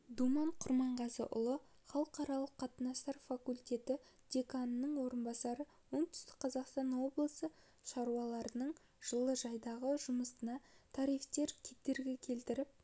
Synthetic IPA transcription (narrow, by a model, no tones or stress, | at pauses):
d̪umɑɴqʰʊɾmɑɴʁɑsə̰ʔʊ̰lˠə | χɑlˠəqɑɾɑlˠəqʰːɑt̪ənɑst̪ɑɾfakulʲt̪ʲe̞t̪ɪ | d̪̥e̞kannəɴwo̞ɾənbɑsɑɾə | wo̞nt̪ʰʏ̥st̪ɪk̚qʰɑzɑqst̪ɑnwo̞blˠəsə | ʃɑɾuwɑlˠɑɾənəɴ | ʒ̥əlˠəʒɑjd̪ɑʁəʒʊməsənɑt̪ʰɑɾijft̪e̞ɾkʲʰe̞t̪ːe̞ɾɡʲe̞kʲʰe̞lt̪ɪɾɪp̚